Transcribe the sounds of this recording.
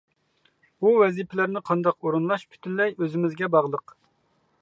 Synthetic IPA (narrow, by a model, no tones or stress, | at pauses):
uvɛzipʰɪlæɾnɪqʰɑnd̪ɑqoɾunlˠɑʃpʰy̥t̪ʰynlɛjøzɪmɪzɡʲɛbɑʁlˠəq